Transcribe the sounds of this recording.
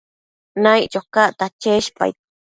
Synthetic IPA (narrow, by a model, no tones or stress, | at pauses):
najt͡ʃokaʔt̪at͡ʃeʃpa̰j̪̚